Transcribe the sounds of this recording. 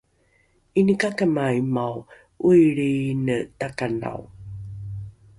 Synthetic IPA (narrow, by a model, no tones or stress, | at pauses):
inikakəmaimaw | ujɾinətakana̰w